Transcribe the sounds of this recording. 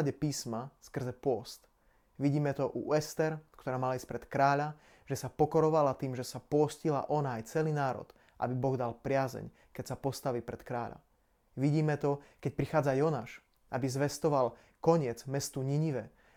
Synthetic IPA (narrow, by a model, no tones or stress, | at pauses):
aɟɛpiːsmaskr̩zɛpʊɔst̪ | ʋiɟiːmɛt̪ɔʔuɛst̪ɛɾkt̪ɔɾaːmalaisc̚pɾɛt̪kɾaːʎa | ʒ̥ɛsapɔkɔɾɔʋalat̪iːmʒɛsapʊɔscila̰ʔɔnaːjt͡sɛliːnaːɾɔ̰t̪ | ʔa̰bibɔɣd̪alpɾɪazɛ̰ɲ | kɛcsapɔst̪aʋiːpɾɛt̪kɾaːʎa̰ | ʋiɟiːmɛt̪ɔkɛc̚pɾixaːd͡zajɔnaːʃ | ʔabizʋɛst̪ɔʋal | kɔɲɪɛd͡zmɛst̪uɲiɲiʋɛ